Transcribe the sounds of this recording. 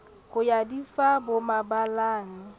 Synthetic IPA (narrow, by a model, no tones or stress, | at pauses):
ɣʊjadifabʊmabalaːnɪ